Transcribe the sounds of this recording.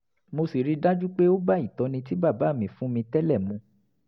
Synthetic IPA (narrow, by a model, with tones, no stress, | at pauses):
mo˧si˨ɾi˦da˦d͡ʒu˦k͡pe˦o˦ba˦i˦˨tɔ˧nĩ˧ti˦ba˦˨ba˨˦˨mĩ˨fũ˦mĩ˧tɛ˦lɛ˦˨mũ˧